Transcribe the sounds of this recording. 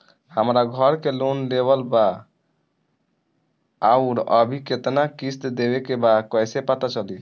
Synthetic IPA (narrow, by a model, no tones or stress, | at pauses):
həmɾaɡʱəɾkelonleβəlba | aʊɾəbʱiket̪nakist̪d̪ebekebakɔjsepat̪at͡ʃəli